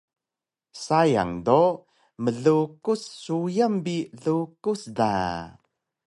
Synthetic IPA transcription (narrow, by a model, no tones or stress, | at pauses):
saja̰ŋdo | məɮukusːujambiɮukusda̰